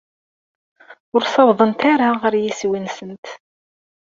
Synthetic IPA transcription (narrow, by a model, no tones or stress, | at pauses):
ʊɾsɑððˤənt̪aɾaʁəɾjiswinsənt̪